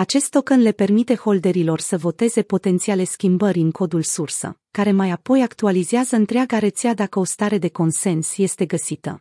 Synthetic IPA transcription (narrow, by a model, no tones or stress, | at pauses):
at͡ʃe̞st̪ːo̞kənle̞pe̞rmit̪e̞ho̞ld̪e̞ɾilo̞rsəvo̞t̪e̞ze̞po̞t̪e̞nt̪siale̞skʲimbəɾʲɨŋko̞d̪ulsursə̰kaɾe̞majapo̞jakt̪ualizeazəɨnt̪ɾeaɡaɾe̞t̪sead̪akəo̞st̪aɾe̞d̪e̞ko̞nse̞nsje̞st̪e̞ɡəsit̪ə̰